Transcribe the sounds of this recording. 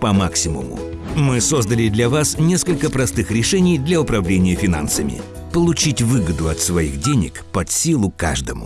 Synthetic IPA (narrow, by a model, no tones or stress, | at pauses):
pɐmaksʲɪmʊ̰mʊ̰mɨsozd̪əlʲɪd̪lʲɐvasnʲeskəlʲkəpɾɐst̪ɨxɾʲɪʂɛnʲɪjd̪lʲɐʊpɾɐvlʲenʲɪjəfʲɪna̰nsəmʲɪ̰ | pəlˠʊt͡ɕitʲvɨɡəd̪ʊɐt̪svɐixdʲenʲɪ̰kpɐt̪sʲilˠʊka̰ʐd̪əmʊ̰